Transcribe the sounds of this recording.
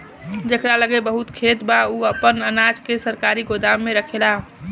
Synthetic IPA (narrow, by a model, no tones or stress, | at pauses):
d͡ʒekɾaləɡebəɦut̪kʰet̪bauəpənənad͡ʒkesəɾkaɾiɡod̪amːeɾəkʰela